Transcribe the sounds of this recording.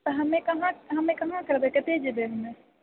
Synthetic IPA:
t̪ɐɦɐmẽkɐɦãɦɐmẽkɐɦãkɐɾd̪ekɐt̪ed͡ʒebeɦɐmẽ

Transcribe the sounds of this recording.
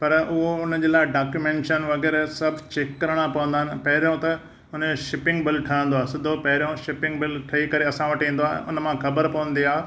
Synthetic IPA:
pɐɾʊɦoʊnəd͡ʑeːlaːɪɖaːkjumẽːɳʈʃənʋɐɣɛːɾsɐbʱt͡ɕekːɐɾəɽ̃apɐʋə̃nd̪aɦɪnɪ̆pɐɦɪɾjõt̪ɐ | ʊn̤əʃɪpɪ̃ŋɡbɪlʈʰɐə̃nd̪oaːsɪd̪ʱopɐɦɪɾijõʃɪpɪ̃ŋɡbɪlʈʰɐikɐɾeɐsãʋɐʈĩːn̆d̪oaːɦʔʊ̰nəmãxɐbəɾpɐʋə̃n̆d̪iaː

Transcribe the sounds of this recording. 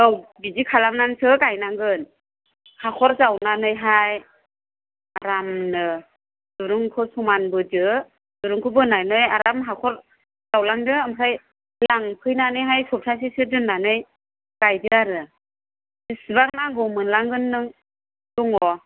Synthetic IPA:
ɔwbizikʰalamnansɯkajnaŋɡɯn | hakʰɔɾzawnanɯjɦaj | aɾamnɯ | d̥uɾɯŋkʰɯsɔmanbɯdɯ | d̥uɾuŋkʰɯbɯnajnɯjaɾamɦakʰɔɾ | zawlaŋdɯamɦʰaj | laŋpʰɯjnanɯjɦajsɔp̚sʰas̬isɯdɯnːanɯj | kajdɯaɾɯ | zɯsibaŋnaŋɡɔmɯnlaŋɡɯnːɯŋ | dɔŋɔ

